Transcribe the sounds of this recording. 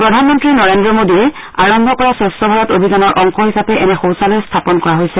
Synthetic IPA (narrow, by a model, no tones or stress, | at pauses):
pɹɔdʱanmɔntɹinɔɹendɹɔmodiɛ | aɹɔmbʱɔkɔɹasɔstɔbʱaɹɔtobʱizanɔɹʔɔŋxɔɦisapɛʔɛnɛxowsalɛstʰapɔnkɔɹaɦojsɛ